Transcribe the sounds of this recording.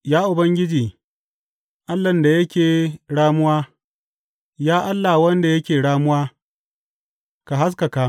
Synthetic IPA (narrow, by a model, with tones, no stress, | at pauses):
jaː˦ʔʊ˨bɐ˦ŋɡʲɪ˦d͡ʒiː˨ | ʔa˦lːɐ˨nda˨jɐ˦kʲeː˨ɽaː˦mʊ˦waː˦ | jaː˦ʔa˦lːa˨wɐ˦nda˨jɐ˦kʲeː˨ɽaː˦mʊ˦waː˦ | ka˨ɦa˦s̬ka˨ka˦